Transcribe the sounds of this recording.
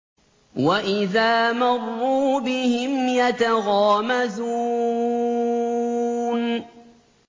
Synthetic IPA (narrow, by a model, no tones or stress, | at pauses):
waʔɪðaːmɑrˤːuːbɪhɪmjat̪aɣaːmazuː | n